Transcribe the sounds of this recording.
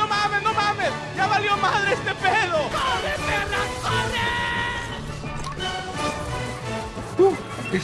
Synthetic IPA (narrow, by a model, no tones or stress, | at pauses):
omaβenomames | jaβaljomaðɾeest̪epeðoeeɾaoɾe | t̪u | e